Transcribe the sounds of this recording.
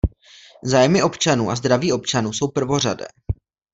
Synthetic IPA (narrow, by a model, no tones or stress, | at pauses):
zaːjmɪʔo̞pt͡ʃanuːʔazd̪ɾaviːo̞pt͡ʃanuːso̞wpr̩vo̞r̝adɛ̰ː